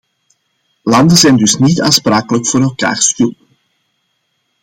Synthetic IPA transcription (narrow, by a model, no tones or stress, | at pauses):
lɑndəzɛjndɵsnitaːnspɾaːkələkfoːɾɛlˠka̰ːrstylt